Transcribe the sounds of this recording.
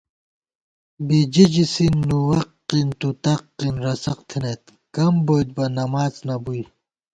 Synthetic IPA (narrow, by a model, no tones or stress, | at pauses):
bid͡ʑid͡ʑisinːuwɐqː | int̪ut̪ɐqːinɾɐsɐqt̪ʰinet̪ | kɐmbojt̪̚bɐnɐmaːt͡snɐbuj